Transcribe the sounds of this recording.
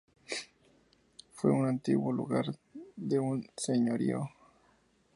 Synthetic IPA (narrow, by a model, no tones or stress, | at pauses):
fweunant̪ḭɣwolṵɣaɾd̪eunseɲoɾjo